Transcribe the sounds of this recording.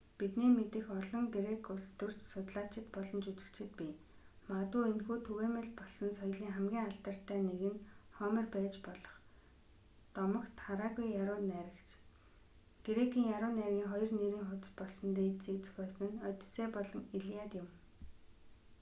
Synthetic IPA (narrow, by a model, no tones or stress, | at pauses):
pit̪niːmet̪ɘ̆xɔɮɞ̆ŋɡeɾekʰʊɮst̪ɵr̥t͡ɕsʊt̪ɮaːt͡ɕʰɪ̆t̪pɔɮɞ̆nt͡ɕut͡ɕɪ̆kt͡ɕʰɪ̆t̪̚pi | mat̪ʊːenxuːt̪ʰɵɣeːmĕɮpɔɮsɞ̆nsɔj̆ɮiːŋχæmɡʲiːŋaɬt̪ə̆r̥t̪ʰːæːneɣɘ̆nχɔmɪ̆rpæːt͡ɕpɔɮɞ̥̆χ | t̪ɔmɞ̆kt̪χaɾaːɣujːaɾʊːnæːɾʲɪ̆kt͡ɕʰ | ɡ̥eɾekʰiːŋjaɾʊːnærɣʲiːŋχɔjɞ̆rneɾiːŋχʊtt͡s̪pɔɮsɞ̆nt̪eːt͡set͡s̆xpœːsə̆nœt̪ʲseːpɔɮɞ̆ŋiɮiaːt̪jʊm